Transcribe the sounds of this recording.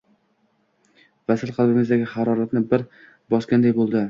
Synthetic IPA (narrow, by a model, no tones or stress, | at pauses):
vasɪlˠqʰɑlˠbɪmɪzd̪aɡʲɪχaɾɒɾat̪nɪbɪɾ | bɒskʲand̪ajbolˠd̪ɪ